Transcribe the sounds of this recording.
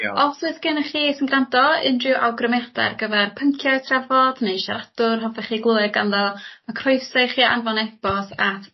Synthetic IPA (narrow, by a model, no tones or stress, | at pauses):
ɔswɨθɡ̥ɨnəχiːsənɡrandɔɪndrɪwʔawɡrəmɛda̰rɡəvɛrpʰəŋkʰjatʰravɔd̥neʃaɾadʊrɦɔvɛχiːɡlˠuɨɡanðɔmakʰrʊjsaɨχiːa̰nvɔnɛb̥ɔsatʰ